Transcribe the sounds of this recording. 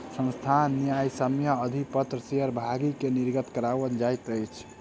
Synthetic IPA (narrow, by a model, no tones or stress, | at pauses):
sə̃nst̪ʰanːijajsəmjaəd̪ʱipət̪ɾəseəɾbʱaɡikeniɾɡət̪kəɾaʋənd͡ʒajt̪əjt͡ʃʰ